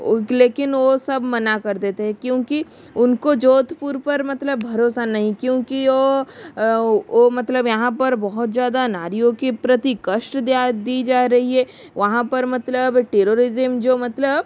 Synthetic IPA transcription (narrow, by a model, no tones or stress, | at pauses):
leːkɪnʋosɐbmɐnakɐɾd̪eːt̪eɦɛ̃kjõːki | ʊnkod͡ʒoːt̪puɾpɐɾmɐt̪ləbʱɐɾoːsanɐɦĩkjõːkio | omɐt̪ləbjɐɦãpɐɾbɔɦʊt̪zjaːd̪anaːɾijõkipɾɐt̪ikəʃʈd̪jaːd̪iːd͡ʒaːɾɐɦiɦɛː | ʋɐɦãpɐɾmɐt̪ləbʈeːɾoːɾɪzəmd͡ʒoːmɐt̪ləb